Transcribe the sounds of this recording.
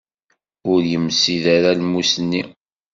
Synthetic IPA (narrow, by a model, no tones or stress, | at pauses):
ʊɾjəmːsiðaɾalmusənːi